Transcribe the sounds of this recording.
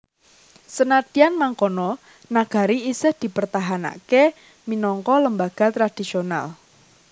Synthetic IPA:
sənat̪ianmaŋkonɔ | naɡ̥a̤ɾiisɪhd̪̥i̤pərt̪aɦana̰ke | minɔŋkɔləmbaɡ̥a̤t̪ɾad̪̥isiona̰l

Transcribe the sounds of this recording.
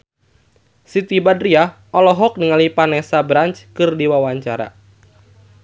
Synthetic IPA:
sit̪ibadria | ɔlɔɦɔk̚niŋalipanɛsabɾant͡ʃkɨrdiwawaɲt͡ʃaɾa̰

